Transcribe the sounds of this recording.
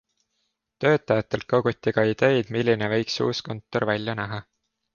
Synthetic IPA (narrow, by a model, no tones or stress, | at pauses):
t̪ø̞ːt̪ːˑɑjɑt̪ːˑe̞lt̪̚kɑɡ̥ut̪ʲːiɡ̥ɑid̪̥e̞jd̪̥milʲːine̞vɤ̞jksṵːsko̞nt̪ːˑo̞rvælʲjɑnæɦɑ